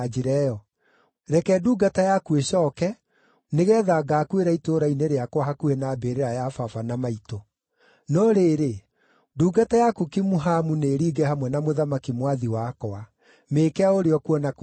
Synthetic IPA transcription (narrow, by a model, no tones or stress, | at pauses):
d͡ʒiɾɛɔ | ɾɛkɛːduːɡatajakueɕɔːkɛ | neɣɛːðaːɡaːkweɾaitoɾaineɾeakwaɦakuenabeɾeɾajafafanamaito | nɔɾeːɾe | duːɡatajakukimuɦamuneːɾiːɡɛhamwɛnamoðamakimwaðiwakɔa | meːkɛaoɾeɔkuɔna